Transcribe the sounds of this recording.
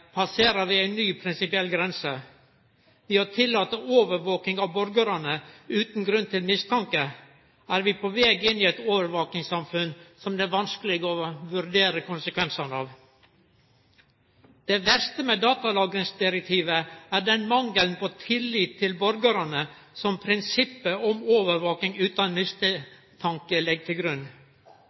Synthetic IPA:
pʰɑseːɾəɾʋɪæɪnːyːpʰɾɪnsɪpɪɛlːɡɾɛnsə | ʋɪhɑt̪ʰɪlːɑːt̪əʔoːʋəɾʋoːkɪŋɑʋbɔɾɡəɾɑnəʉːt̪n̩ɡɾʉnt̪ɪlmɪst̪ʰɑŋkə | æːɾʋɪpʰoʋɛːɡɪnːiɛɪt̪oːʋəɾʋoːk̪ɪŋsɑmfʉnsɔmd̪ɛæɾʋɑnskəlɪɡəɔʋʉɾd̪eːɾəkʊnsəkʰʋɛnsɑnɑ̰ːʋ | d̪̥eːʋæɾst̪əmɛd̪ɑːt̪ɑlɑːɡɾɪŋsd̪ɪɾɛk̚t̪ʰiːʋəæːɖɛnmɑŋːəlnpoːt̪ʰɪlːiːt̪ʰːɪlbɔɾɡəɾɑnə | sɔmpʰɾɪnsɪpːəʔɔmoːʋəɾʋoːkɪŋʉːt̪ɑnmɪst̪ə | t̪ʰɑŋkəlɛɡ̚t̪ʰɪlɡɾʉnː

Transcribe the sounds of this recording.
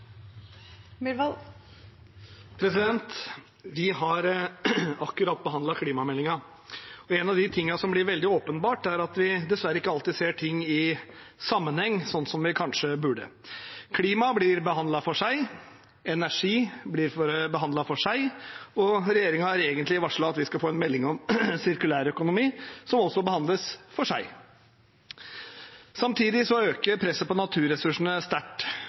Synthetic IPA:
mʋɑl | pʰɾɛsɪd̪ɛnt̪ | ʋɪɦɑɾ | ɑkːʉɾɑt̪̚ːbəɦɑnd̪ɑkʰliːmɑmɛlːɪŋɑ | ɔɛːnɑʋd̪ɪt̪ʰɪŋːɑsɔmblɪɾʋɛld̪ɪoːpənbɑːʈæɾɑt̪ʋɪd̪ɛsʋæɾːəɪkːəɑlt̪ɪseːʈʰɪŋːɪ | sɑmːənhɛŋːsɔnːsɔmʋɪkʰɑnʂəbʉɖə̰kʰliːmɑblɪɾbəhɑnd̪lɑfɔʂæɪ | ɛnæʂiːblɪɾfɔɾbəɦɑnd̪lɑfɔʂæɪɔɾɛjeːɾɪŋɑhɑɾeːɡənt̪lɪʋɑʂɭɑɑt̪ʋɪskɑfoːɛnmɛlːɪŋɔmsɪɾkʉlæːɾœkʊnʊmiːsɔmɔsːɔbəhɑnd̪ləsfɔʂæɪ | sɑmt̪ʰiːd̪ɪsɔøːkəɾpʰɾɛsːəpɔnɑt̪ʰʉːɾɛsʉʂɳ̩əst̪æʈː

